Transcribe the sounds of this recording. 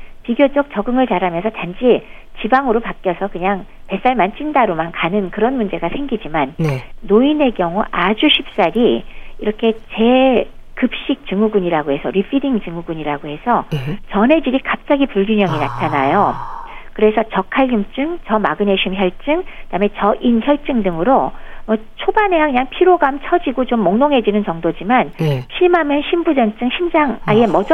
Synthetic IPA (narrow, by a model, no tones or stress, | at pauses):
piɡjod͡ʑʌk̚t͡ɕʌɡɯŋɯɭt͡ɕaɾɦamjʌnsʰʌtand͡ʑʰi | t͡ɕibaŋɯɾopak͈jʌsʰʌkɯɲaŋ | pe̞s͈aɭmant͡ɕʰindaɾomankanɯnkɯɾʌnmund͡ʑe̞ɡasʰe̞ŋɡid͡ʑimanːoine̞kjʌŋuʔad͡ʑuɕʰip̚s͈aɾiiɾʌkʰe̞t͡ɕe̞kɯp̚ɕ͈ik̚t͡ɕɯŋuɡuɲiɾaɡohe̞sʰʌɾipʰidiŋt͡ɕɯŋuɡuɲiɾaɡohe̞sʰʌt͡ɕʌnɦe̞d͡ʑiɾikap̚t͡ɕ͈aɡipuɭɡuɲjʌŋina̰tʰanajokɯɾe̞sʰʌt͡ɕʌkʰaɭːumt͡ɕ͈ɯŋt͡ɕʌmaɡɯne̞ɕʰimçjʌɭt͡ɕ͈ɯŋɯd̥aɯmet͡ɕʌʔinçjʌɭt͡ɕ͈ɯŋdɯŋɯɾomʌ | t͡ɕʰobane̞akɯɲaŋpʰiɾoɡamt͡ɕʰʌd͡ʑiɡot͡ɕomːoŋnoŋɦe̞d͡ʑinɯnt͡ɕʌŋdod͡ʑimanɕʰimamjʌnɕʰimbud͡ʑʌnt͡ɕ͈ɯŋɕʰimd͡ʑaŋaiemʌd͡ʑ